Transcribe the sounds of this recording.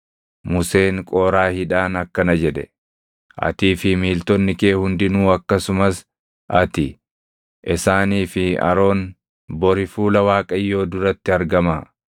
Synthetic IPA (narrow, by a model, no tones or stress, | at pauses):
mʊse̞ːŋkʼoːɾaːhɪᶑaːnɐkːɐnɐd͡ʒɛᶑɛ̰ | ʔɐ̰t̪iːfɪmiːlt̪ɔnːɪke̞ːhʊnd̪ɪnuːɐkːɐsʊmɐs | ʔɐt̪ɪ | ʔɪsaːniːfɪɐ̰ɾo̞ːn | bɔɾɪfuːlɐwaːkʼɐjːo̞ːd̪ʊɾɐt̪ːɪɐɾɡɐmaː